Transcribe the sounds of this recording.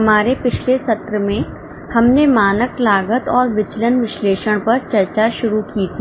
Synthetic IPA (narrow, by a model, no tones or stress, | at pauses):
ɦɐmaːɾepɪt͡ʃʰlesɐt̪ɾəmẽ | hɐmnemaːnəklaːɡət̪ɔːɾʋɪt͡ʃlənʋɪʃleːʃəɽ̃pɐɾt͡ʃɐɾt͡ʃaʃʊɾukiːt̪ʰiː